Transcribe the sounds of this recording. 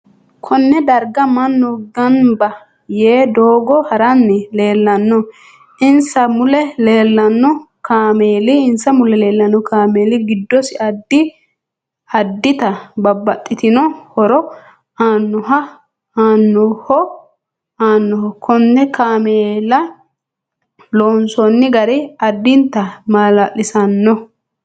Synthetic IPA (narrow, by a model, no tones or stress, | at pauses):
kʰɔnːɛd̪ɐɾɡɐmɐnːɔɡɐnmbɐ | jeːd̪oːɡɔhɐɾɐnːɪle̞ːlːɐnːɔ | ʔɪnsɐmʊlɛleːlːɐnːɔkaːmeːlɪɪnsɐmʊlɛle̞ːlːɐnːɔkaːmeːlɪɡɪd̪ːɔsɪʔɐd̪ːɪ | hɐd̪ːɪt̪ɐbɐbːɐt̪ʼːɪt̪ɪnɔhɔɾɔ | aːnːɔɦɐ | aːnːɔhɔ | aːnːɔhɔkʰɔnːɛkaːmeːlɐ | loːnsɔnːɪɡɐɾɪɐd̪ːɪnt̪ːɐmaːlaʔːɪsɐnːɔ